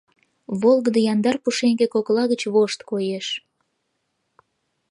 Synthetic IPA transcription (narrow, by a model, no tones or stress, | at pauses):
βolˠɣəd̪əjɑnd̪ɑrpuʃeŋɡekoklɑɣət͡ɕβoʃt̪kojeʃ